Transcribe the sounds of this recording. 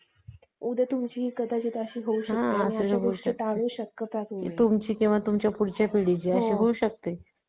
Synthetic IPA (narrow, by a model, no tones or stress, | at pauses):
ud̪ʱət̪umt͡ɕiːɦikəd̪at͡ɕiːt̪əɕiːɦouɕɦəãtəseɦɦuɕət̪aɽ̃ũːɕəkːəpɾakot̪umt͡ɕiːkĩw̃ʋat̪umt͡ɕjapuɽt͡ɕjapiɽit͡ɕiəɕiːɦouɕək̚t̪e